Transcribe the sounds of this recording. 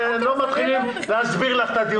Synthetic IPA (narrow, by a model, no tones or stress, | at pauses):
anelomat̪χilimleazbiʁlaχt̪ad̪i